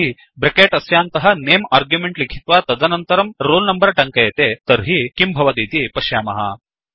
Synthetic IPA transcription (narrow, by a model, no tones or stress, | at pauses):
i | bɾekeːʈɐsjaːnt̪ɐɦɐ̆neːmaːɾɡjumeɳʈlikʰit̪ʋaːt̪ɐd̪ɐnɐnt̪ɐɾɐmɾoːlnɐmbɐɾɐʈɐŋkɐjɐt̪eːt̪ɐɾɦikimbʱɐʋɐd̪iːt̪ipɐʃjaːmɐɦɐ̰